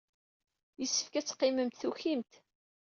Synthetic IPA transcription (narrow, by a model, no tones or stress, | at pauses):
jəsːə̥fkæt͡sːqːɪməmt̪θuçimt̪